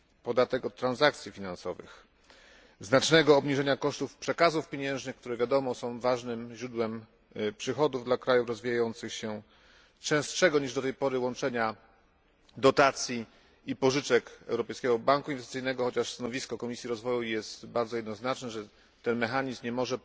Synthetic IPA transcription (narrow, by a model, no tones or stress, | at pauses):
pɔd̪at̪ɛkɔt̪ːɾanzak̚t̪sʲjifʲinansɔvɘ̰x | znat͡ʂnɛɡɔːbɲiʐɛɲakɔʂt̪ufpʂɛkazufpʲjeɲɛ̃w̃ʐnɘxk̚t̪uɾɛvʲjad̪ɔmɔsɔ̃w̃vaʐnɘmʑɾud̪wɛm | pʂɘxɔd̪uvd̪lakɾajufɾɔzvʲijajɔnt̪sɘxɕɛ | t͡ʂɛ̃w̃stʂɛɡɔɲiʐd̪ɔt̪ɛjpɔɾɘwɔnt͡ʂɛɲa | d̪ɔt̪at̪sʲji | ipɔʐɘt͡ʂɛkɛ̰wɾɔpɛjskʲɛɡɔbaŋkuinvɛssɨjnɛɡɔxɔt͡ɕaʂst̪anɔvʲiskɔkɔmʲisʲjiɾɔzvɔjujɛst̪baɾdzɔjɛd̪nɔznat͡ʂnɛʐɛ | t̪ːɛnmɛxaɲizmɲɛmɔʐɛ